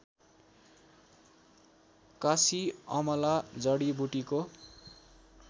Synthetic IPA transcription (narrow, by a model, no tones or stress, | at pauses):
kasiʌmʌlad͡zʌɽibuʈiko